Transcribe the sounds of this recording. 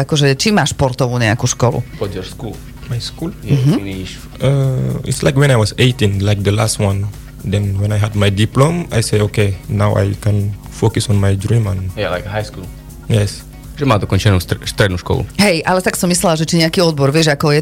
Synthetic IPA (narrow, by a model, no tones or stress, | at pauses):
akɔʒɛt͡ʃimaːʃpɔɾt̪ɔʋuːɲɛakuʃkɔlṵpɔdɔɾskul | majskuːljɦiniʃ | ʔəḭtsla̰ɪkwɛ̃najwɔzeɪtĩŋlajk̚d̪əlastwãn | d̪ɛ̃nwɛ̃najɦadmajdiplõma̰jseɪokenaʊa̰jkɛ̃n | fokusɔ̃nmajdɹĩmãnjɛlajkɦajskul | jɛs | ʒɛmad̪ɔkɔ̃nt͡ʃɛnusst̪ɾɛd̪nuʃkɔ̰lṵɦɛjʔalɛt̪aksɔmːislɛlaʒɛt͡ʃiɲɛakiɔd̪bɔɾʋɪɛʒakɔjɛ